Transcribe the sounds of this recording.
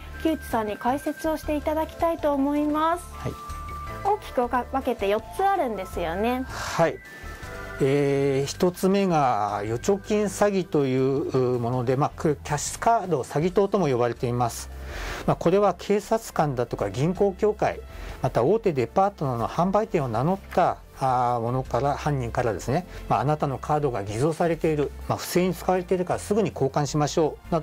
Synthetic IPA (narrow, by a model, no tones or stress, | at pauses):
kʲɯːt͡ɕi̥sãɲ̟ːikaise̞t͡sɨo̞ɕi̥t̪e̞it̪ad̪akʲi̥t̪ait̪o̞ːmo̞imasɨ̥hai | o̞ːkʲi̥kɯ̟βake̞t̪e̞jo̞tt͡sɨaɾɯ̟̃nd̪e̞sɨjo̞ne̞hai | eːçi̥t̪o̞t͡sɨme̞ɡajo̞t͡ɕo̞kʲĩɰ̃saɡʲit̪o̞jɯ̟ːɯːmo̞no̞d̪e̞makɯkʲaɕkaːd̪o̞saɡʲit̪o̞ːt̪o̞mo̞jo̞βaɾe̞t̪e̞imasɨ̥mako̞ɾe̞βakʰe̞ːsat͡sɨ̥kãnd̪at̪o̞kaɡʲĩŋko̞ːkʲo̞ːkaimat̪ao̞ːt̪e̞d̪e̞paːt̪o̞nano̞̰hãmbait̪ẽ̞ɰ̃o̞nano̞t̪ːa | mo̞no̞kaɾahãɲ̟ːĩŋkaɾad̪e̞sɨne̞maːnat̪ano̞kʰaːd̪o̞ɡaɡʲizo̞ːsaɾe̞t̪e̞iɾɯ̟maɸɯ̟̥se̞ːɲ̟it͡sɨ̥kaβaɾe̞t̪e̞iɾɯ̟kaɾasɨɡɯ̟ɲ̟iko̞ːkãɰ̃ɕimaɕo̞ːnao